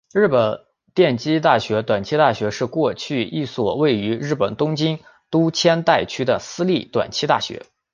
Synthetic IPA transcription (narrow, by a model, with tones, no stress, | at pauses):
ɻɻ̩˥˩pə˨˩n | t̪jɛ˥˩nt͡ɕi˥t̪a˥˩ɕɥɛ˧˥t̪wa˨˩nt͡ɕʰi˥t̪a˥˩ɕɥɛ˧˥ʂɻ̩˥˧kwɔ˥˧t͡ɕʰy˥˧i˥˩swɔ˨˩we˥˩ɪy˧˥ɻɻ̩˥˩pə˨˩nt̪ʊ˥ŋt͡ɕi˥n | t̪u˥t͡ɕʰjɛ˥nt̪a˥˩ɪt͡ɕʰy˥d̪ə˨sɹ̩˥li˥˩t̪wa̰˨˩nt͡ɕʰi˥t̪a̰˥˩ɕɥɛ̰˧˥